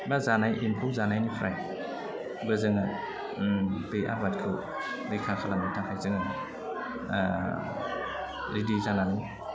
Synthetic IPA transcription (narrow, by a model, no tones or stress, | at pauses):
bazanajʔinpʰuwzanajnipʰɾʔaj | bɯzɯŋa | bejʔa̰bat̚kʰɯw | dɯjkʰakʰalamatʰaŋhʰajzɯŋa | ɾidizanani